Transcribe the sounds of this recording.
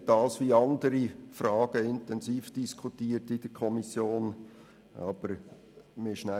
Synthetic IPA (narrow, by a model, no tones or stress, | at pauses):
d̥ɑːsʋiɑnd̪əɾifɾɑːɡ̥əɪntɛnsiːfd̥iskʰutiːəɾtɪd̥əɾkʰɔmisjoːn | ɑb̥əɾ | mɪʃnæ